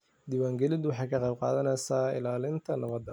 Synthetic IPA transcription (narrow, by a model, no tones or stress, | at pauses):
d̪iːwaːŋɡɛlɪd̪ʊwɑħɑjkʰɐqɑjb̚qɑ̰ːðɐnɛjsaːɪ̰laːlɪnt̪ʰɐnɐβɐd̪ːɐ